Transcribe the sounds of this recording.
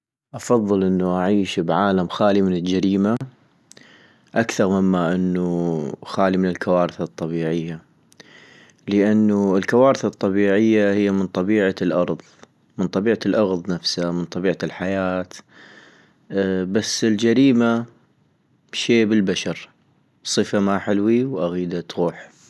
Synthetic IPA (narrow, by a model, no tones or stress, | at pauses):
ʔɑfɑðˤːɨlʔɪnːuʔaʕiːʃbʕaːlamxaːlimɪnɪld͡ʒaɾiːma | ʔakθɑɾˤmɪmːaʔɪnːuxaːlimɪnɪlkawaːɾɪθɨt̪ˤːɑbiːʕɪjːa | ləʔanːuɪlkawaːɾθɑt̪ˤːɑbiːʕɪjːahɪjːamənt̪ˤɑbiːʕalʔɑɾˤðˤ | mənt̪ˤɑbiːʕalʔɑɣðˤnafsamənt̪ˤɑbiːʕalħajaːt̪ | basːɪld͡ʒaɾiːma | ʃeːbəlbaʃɑɾ | sˤɨfamaħɪlwiwʔaɣiːd̪at̪ɣuːħ